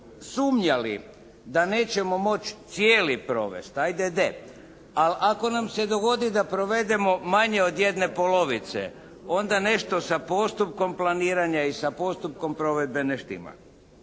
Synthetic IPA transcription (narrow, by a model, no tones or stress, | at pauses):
suːmɲalḭ | d̪ane̞ːt͡ɕe̞mo̞mo̞t͡ʃt̪sjeːlipɾo̞̰ʋe̞̰st̪ajd̪ed̪e | alako̞namsed̪o̞ɡo̞d̪id̪apɾo̞ʋe̞d̪e̞mo̞maɲe̞od̪je̞d̪ne̞polo̞ʋit̪sḛ | o̞nd̪ane̞ʃt̪o̞sapo̞st̪up̚ko̞mplˠaniːɾaɲaisapo̞st̪up̚ko̞mpɾo̞ʋe̞d̪̚beneʃt̪ḭma̰